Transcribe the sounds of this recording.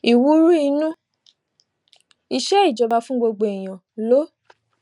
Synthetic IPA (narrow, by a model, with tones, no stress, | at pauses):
i˨wu˦ɾu˦i˧nũ˦ | i˧ʃɛ˦i˦˨d͡ʒɔ˨˧ba˧fũ˦ɡ͡bo˧ɡ͡bo˨i˨j̃ã˨ | lo˨˦